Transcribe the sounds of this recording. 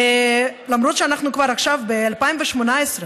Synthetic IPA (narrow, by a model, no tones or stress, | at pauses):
lamʁo̞t̪ʃeanaχnukvaʁaχʃavbealpaimveʃmo̞naesʁe